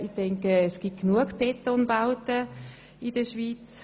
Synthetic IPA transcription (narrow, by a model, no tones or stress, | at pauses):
ixtɛŋkəɛsɡ̥it̚knuəkpʰɛtːɔnbaʊtə | idəʃviːt͡s